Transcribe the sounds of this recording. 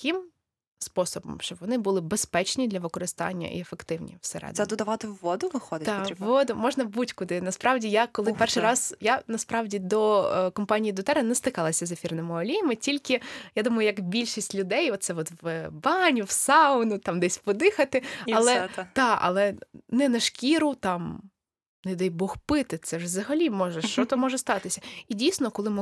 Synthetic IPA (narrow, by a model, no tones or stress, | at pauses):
kɪm | spɔsɔbɔ̰mʃt͡ʃɔbʋɔnɪbʊlˠɪbespɛt͡ʃnʲid̪lʲɐʋɪkɔɾɪst̪ɑ̰nʲːɐ̰ʔḭefekt̪ɪwnʲḭwsɛɾɛ̰d̪ɛd̪ʊd̪ɐʋɑt̪ɪʋʋɔd̪ʊʋɪxɔd̪ɪt̪ɑʋɔd̪ʊmɔʒnɐbutʲkʊd̪ɪnɐspɾɑwdʲijakɔlˠɪpɛrʃijɾɑzjanɐspɾɑwdʲid̪ɔkɔmpɑnʲijid̪ʊt̪ɛɾɐnɛst̪ɪkɑlˠɐsʲɐzefʲirnɪmɪɔlʲijɐmɪtʲilʲkɪjad̪umɐjʊjɐkbʲilʲʃisʲtʲlʲʊd̪ɛjɔt̪̚sɛɔt̪ʋbɑnʲʊwsɑʊnʊt̪ɑmd̪ɛsʲpɔd̪ɪxɐt̪ɪɐlˠɛt̪ɑɐ̰lˠɛnɛnɐʃkʲiɾʊt̪ɑm | nɛd̪ɛjbɔxpɪt̪ɪsɛʒzɐɦɐlʲimɔʒɛʃt͡ʃɔt̪ɔmɔʒɛst̪ɑt̪ɪsʲɐidʲijsnɔkɔlˠɪm